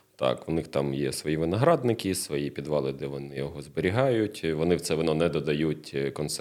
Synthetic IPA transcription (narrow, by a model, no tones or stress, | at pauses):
t̪ɑ̰kʋʊnɪxt̪ɑmjɛ̰sʋɔjiʋɪnɐɦɾɑd̪nɪkɪsʋɔjipʲid̪ʋɑlˠɪd̪ɛʋɔnɪjɔɦɔzbeɾʲiɦɑjʊtʲʋɔnɪwt̪sɛʋɔnɔnɛd̪ɔd̪ɐjutʲkɔnts